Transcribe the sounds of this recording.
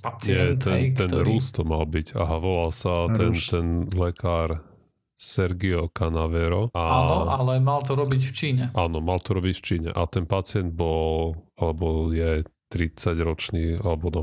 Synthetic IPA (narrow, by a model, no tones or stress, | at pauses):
pat͡sɛt̪ɛnt̪ɛnɾuːst̪ɔmalbiɟa̰ɦaʋɔlalsat̪ɛnt̪ɛnlɛkaːɾ | sɛɾɡiɔkanaʋɛɾɔaanɔalɛmalt̪ɔɾɔbicft͡ʃiːɲɛʔaːnɔmalt̪ɔɾɔbicft͡ʃiːɲɛ̰ʔat̪ɛnpat͡sɪɛnd̪̚bɔlalɛbɔljɛt̪ɾit͡saɟɾɔt͡ʃniːalɛbɔnɔ